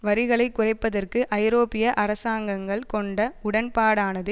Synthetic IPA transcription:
ʋɐɾɪɣɐɭɐɪkːʊrɐɪpːɐðɐrkɯʔɐɪɾoːpɪjɐʔɐɾɐsaːŋɡɐŋɡɐɭkɔɳɖɐʊɽɐnpaːɽaːnɐðɯ

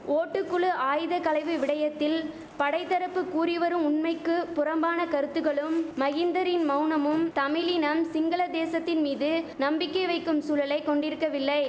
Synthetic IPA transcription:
oːʈːɯkːɯɭɯʔaːjðɐkɐlɐɪʋɯʋɪɽɐjɐt̪ːɪl | pɐɽɐɪt̪ːɐɾɐpːɯkːuːɾɪʋɐɾɯmʊnmɐɪkːɯpːʊɾɐmbaːnɐkɐɾɯt̪ːɯɣɐɭɯmːɐɣɪnd̪ɐɾɪnmɐʊnɐmɯmt̪ɐmɪlinɐmsɪŋɡɐɭɐd̪eːsɐt̪ːɪnmiːðɯnɐmbɪkːɐɪʋɐɪkːɯmsuːlɐlɐɪkːɔɳɖɪɾɯkːɐʋɪlːɐɪ

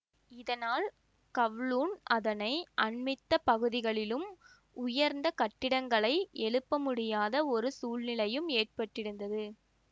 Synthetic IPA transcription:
ɪðɐnaːl | kɐʋɭuːnʔɐðɐnɐɪʔɐɳmɪt̪ːɐpɐɣɯðɪɣɐɭɪlɯm | ʊjɐɾnd̪ɐkɐʈːɪɽɐŋɡɐɭɐɪɛɭɯpːɐmʊɽɪjaːðɐɔɾɯsuːlnɪlɐjɯmeːʈ̚pɐʈːɪɽɯnd̪ɐðɯ

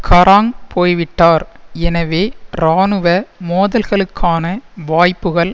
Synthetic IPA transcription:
kʰɐɾʔaːŋpʰoːjʋɪʈːaːɾɛnɐʋeːɾaːnɯʋɐmoːðɐlɣɐɭɯkʰːaːnɐʋaːjpːɯɣɐɭ

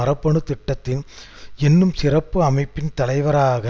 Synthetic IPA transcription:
ɐɾɐpːɐɳɯt̪ɪʈːɐt̪ːɪn | ɛnːɯmsɪrɐpːɯɐmɐɪpːɪnt̪ɐlɐɪʋɐɾaːɣɐ

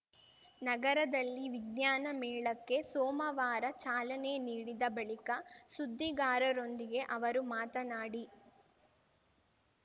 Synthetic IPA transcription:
nɐɡɐɾɐd̪ɐlːiʋiɡjaːnɐmɛːɭɐkːe̞soːmɐʋaːɾɐt͡ʃaːlɐne̞niːɽid̪ɐbɐɭikɐsud̪ʱːiɡaːɾɐɾo̞nd̪iɡe̞ʔɐʋɐɾumaːt̪ɐnaːɽi

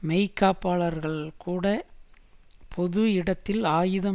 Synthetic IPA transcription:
mɛɪkːaːpːaːɭɐɾɣɐɭkʰuːɽɐ | pʰɔðɯɪɽɐt̪ːɪlaːjɯðɐ

